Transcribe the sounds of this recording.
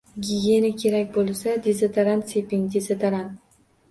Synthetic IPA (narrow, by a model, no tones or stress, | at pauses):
ɡʲije̞nakʲʰe̞ɾakʲbolˠsad̪ezet̪ʰaɾansepɪŋd̪ezet̪ʰaɾan